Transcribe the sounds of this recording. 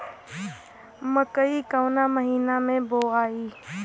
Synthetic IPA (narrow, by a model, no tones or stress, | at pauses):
məkəikəʊnaməɦiːnamẽboaːi